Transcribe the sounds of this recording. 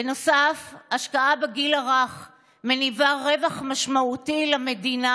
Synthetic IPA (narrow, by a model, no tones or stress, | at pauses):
benosafaʃkaabeɡilaʁaχ | menivaʁevaχmaʃmautilamedina